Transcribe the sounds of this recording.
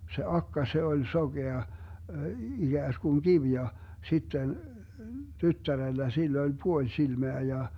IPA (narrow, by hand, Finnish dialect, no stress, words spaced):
se ɑkːɑ se olʲ soɡ̊eɑ iɡ̊æːskuŋ kiʋ jɑ sitːen tytːærelːæ silː olʲ puolʲ silmeæ jɑ